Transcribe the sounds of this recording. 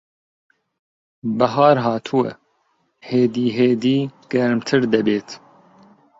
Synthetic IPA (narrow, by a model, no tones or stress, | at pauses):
bɐɦɑːɾɦɑːt̪ʰuwɛ̰ | heːd̪iːɦeːd̪iːɡ̥ɛɾmt̪ʰɨɾd̪ɐbeːt̪